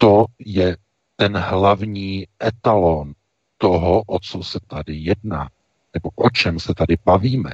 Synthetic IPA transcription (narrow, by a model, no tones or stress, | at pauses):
t̪o̞jɛ | t̪ɛnɦlavɲiːʔɛt̪alon | t̪oɦoʔot͡sosɛt̪adɪjɛdnaː | nɛbo̞ʔot͡ʃɛmsɛt̪adɪbaviːmɛ